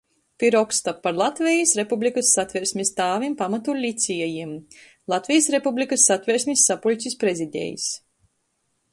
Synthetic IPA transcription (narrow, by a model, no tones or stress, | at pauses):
t̪iɾɔkst̪apːaɾlˠat̪vʲɛjisɾepublʲikɨsːat̪vʲɛɾsʲmʲist̪aːvʲimpamat̪ulʲit̪sʲijɛjim | lˠat̪vʲijasɾepublʲikɨsːat̪vʲɛɾsʲmʲisːapulʲsʲispɾezid̪ʲḛːjḭs